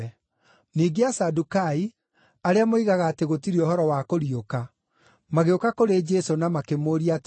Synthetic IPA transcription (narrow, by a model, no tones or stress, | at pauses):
niːɡeasadukai | aɾeamoiɣaɣaːteɣotiɾioɦɔɾɔwakoɾioka | maɣeokakoɾed͡ʒɛsonamakemoɾiat